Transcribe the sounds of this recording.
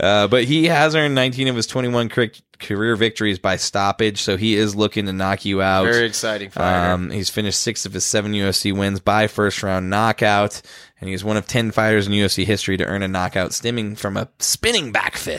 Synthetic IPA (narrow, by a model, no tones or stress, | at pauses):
ʔʌb̥ʌt̚hiɨzɜ̃˞nːãɪ̃ntʰĩñʌv̥ɨz̥tʰw̥ɛ̃ɾ̃iwʌ̃nkʰɹ̥ɪk̚ | kʰə˞ɪɹvɪk̚tə˞izbaɪstɑpɪd̥ʒ̥soʊiɪzlʊkɪ̃ŋtʰɨnɑkʰjʉaʊɛiɨksaɪɾɪ̃ŋfʌ̃mhiz̥fɪ̃nɨʃtsɪksʌv̥ɨz̥sɛvn̩jʉɛfsiwɪ̃nzbaɪfɜ˞st̚ɹãʊ̃nːɑkaʊt | ɨ̃niɨzwʌ̃ñʌv̥tʰɛ̃nfaɪɾə˞z̃n̩jʉɛfsiɦɪstɹ̥iɾɨ̰ʔɜ̰̃˞ñɨnɑkaʊtstɪ̃mɪ̃ŋfɹʌ̃mə̰spɪ̃nɪ̃ŋbæ̰kfɪt̚